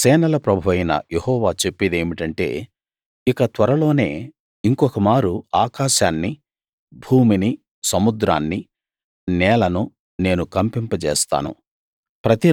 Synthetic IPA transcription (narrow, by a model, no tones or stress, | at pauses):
sɛːnɐlɐpɾɐbʱuʋɐjnɐ̰jehɔːʋaːt͡ʃe̞pːid̪e̞ːmiʈɐɳʈe̞̰ː | ikɐt̪ʋɐɾɐlo̞ːne̞̰ː | iŋkɔkɐmaːɾuaːkaːʃaːnːi | bʱuːmini | sɐmud̪ɾa̰ːnːi | nɛːlɐnu | ne̞ːnukɐmpimpɐt͡ʃɛ̰ːst̪a̰ːnṵ | pɾɐt̪i